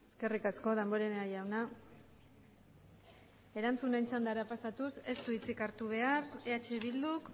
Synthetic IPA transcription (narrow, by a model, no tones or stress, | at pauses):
e̞ske̞rikasko̞ð̞e̞mbo̞ɾeneajawna | e̞ɾant͡sunent͡ʃand̪aɾapasat̪use̞st̪uit͡sikaɾt̪uβ̞e̞aɾeat͡ʃe̞βild̪uk